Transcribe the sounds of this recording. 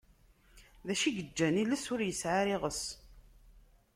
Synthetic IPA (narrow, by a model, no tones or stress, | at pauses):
ðæʃiɡəd͡ʒːæniləsʊɾjəsʕaɾɪʁəs